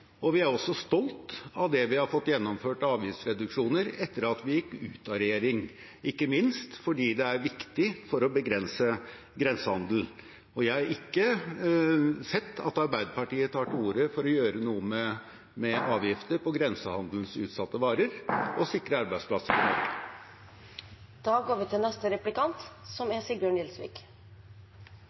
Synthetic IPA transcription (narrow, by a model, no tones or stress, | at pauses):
ɔʋɪæɾɔsːɔst̪ɔlt̪ɑʋd̪ɛʋɪhɑɾfɔt̪ːjɛnːɔmføːʈɑːʋjɪft̪sɾɛd̪ʉkʂuːnəɾɛt̪ːəɾɑt̪ʋɪjɪkːʉ̰ːt̪ʰɑɾɛjeːɾɪŋ | ɪkːəmɪnst̪fɔɖiːd̪ɛæɾʋɪkt̪ɪfɔɾɔbəɡɾɛnsə | ɡɾɛnsəhɑnd̪l̩ | ɔjæɪhɑɾɪkːə | sɛt̪ʰːɑ̰t̪ɑɾbæɪd̪əpɑʈiːət̪ʰɑːʈɪuːɾəfɔɾɔjøːɾənuːəmɛ | mɛʔɑːʋjɪft̪əɾpɔɡɾɛnsəhɑnd̪l̩sʉ̰ːt̪sɑt̪ːəʋɑːɾəɾɔsɪkːɾəɑɾbæɪspʰlɑsəɾɪnɔ̰ɾɡə | d̪̥ɑːɡoːɾʋɪːt̪ʰɪlnɛst̪əɾɛplɪkɑnt̪sɔmæsiːɾbjøːɳɪlsʋḭːk